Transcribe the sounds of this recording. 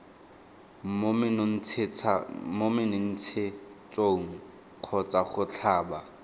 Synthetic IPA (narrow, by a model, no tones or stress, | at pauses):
mɪt͡sʰɪt͡sʰmomɪnɪn̩t͡sʰɪt͡sʼoŋ̩ | q͡χʰɔt͡sʼaχʊt͡ɬʰaːba